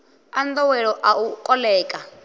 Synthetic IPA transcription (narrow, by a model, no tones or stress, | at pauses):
and̪ɔwɛɺɔʔaukʼɔlɛːkʼa